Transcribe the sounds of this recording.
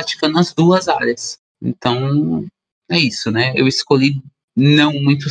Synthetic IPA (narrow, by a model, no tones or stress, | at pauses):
ɾat͡ʃi̥kɐ̃nd̪ʊɐzd̪uɐzaɾjɐs | ḛ̃nt̪ɐ̃w̃ | ɛisʊnɛewɪskoʎi | nɐ̃w̃mũj̃t̪̬ʊ